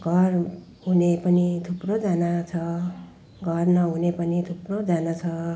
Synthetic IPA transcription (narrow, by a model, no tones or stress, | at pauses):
ɡʱʌr | ɦunepʌnit̪ʰuprod͡zanat͡sʰʌ | ɡʱʌrnʌɦunepʌnit̪ʰuprod͡zanat͡sʰʌ